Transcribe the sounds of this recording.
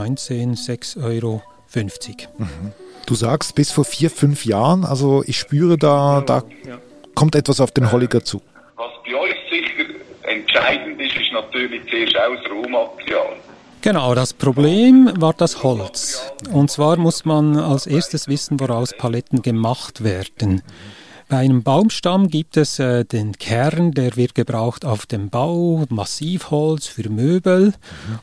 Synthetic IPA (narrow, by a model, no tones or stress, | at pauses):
ɔʏnt͡seːnz̥ɛksɔʏɾo | fʏnft͡sɪç̥m̩h̩d̥uːzaːkstb̥ɪsfoːɐfiːɐfʏnfjaːʁəna̰lzoʔɪçʃpyːʁədaːd̥a̰ː | kʰɔmtɛtvasaʊfd̥eːnɦɔlɪɡat͡sṵː | vɑsb̥iɔʏçsɪχəɾɛntt͡ʃaɪdn̩dɪʃɪʃnɑt̪yːɾlɪçt͡seːʃaʊsɾoːmɑtəɾjɑ̰ːl | ɡ̥enaʊdaspʁ̥obleːmvaːɾd̥ashɔlt͡sʊnt̚t͡sv̥aːɾmʊsmanalseːɾstəsvɪsn̩voɾaʊspʰalɛtn̩ɡemaχtvɛːɾd̥ən | b̥aɪaɪnəmbaʊmʃtamɡiːp̚tɛsɛːd̥enkʰɛɾndeːɾvɪt̚ɡ̥əbʁaʊxtaʊfd̥emb̥aʊmasiːfhɔlt͡sfyːmøːbəl̩